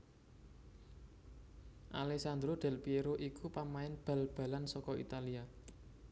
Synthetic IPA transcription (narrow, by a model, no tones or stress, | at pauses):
ʔa̰lɛksand̪ɾoɖ̪̥ɛ̤lpieɾoʔikupamaɪnb̥a̤lb̥a̤lansɔkɔḭt̪alia